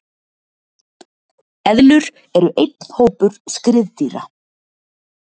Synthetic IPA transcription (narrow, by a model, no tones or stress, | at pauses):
ɛðlʏɾ | ɛɾʏʔejt̪̚n̥hoːwpʏɾ̥skɾɪðt̪iːɾa